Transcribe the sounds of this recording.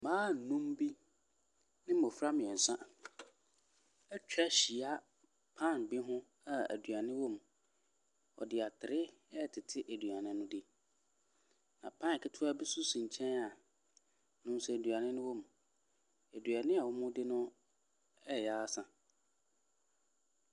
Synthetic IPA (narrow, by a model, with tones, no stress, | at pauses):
mãː˦n̩˨nũ˦mbi˦ | nɪ̃˦m˦˨ɔ˨fɾa˦mɪ̃˨ɛ˨sã˦ | ɛ˦t͡ɕᶣa˦ɕi˨a˦ | pʰã˦˨nbɪ˦ɦʊ̃˦ | a˨æ̰˨dɥa˨nɪ̃˦wɔ˦m | ɔ̰˨dɪ˨a˨tʰɪ˨ɾɪ˦ɛ˦˨tʰɪ˨tʰɪ˦ʔæ˨dɥa˨nɪ̃˦nʊ̃˦dɪ˦ | nã˨pʰã˦˨kʰɪ˦tʰʊ˦a˦bi˦sʊ˦sĩ˨ɲ̩˨t͡ɕʰɛ̃˦na˨ | nʊ̃˦n˦sʊ˨æ˨dɥa˨nɪ̃˦nʊ̃˦wo˦m˨ | æ˨dɥa˨nɪ̃˦a˨wɔ˦mʊ̃˦dɪ˦nʊ̃˦ | ɛ˦˨ja˦sã˨